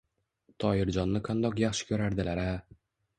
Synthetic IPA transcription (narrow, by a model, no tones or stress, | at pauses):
t̪ʰɒjɪɾd͡ʒɒnːɪqʰɑnd̪ɒqjaχʃɪ̥kʰʲɵɾaɾd̪ɪlaɾa